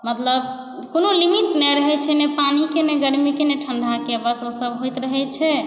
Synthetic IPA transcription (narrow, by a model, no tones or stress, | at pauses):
mət̪ləb | konolimit̪nɛɾəɦɛt͡ʃʰɛnɛpanikenɛɡəɾmikenɛʈʰəɳɖʱakebəsosəbɦojt̪ɾəɦɛt͡ʃʰɛ